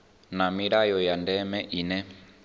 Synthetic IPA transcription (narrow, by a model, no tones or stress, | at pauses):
namiɾajɔjandɛmɛʔinɛ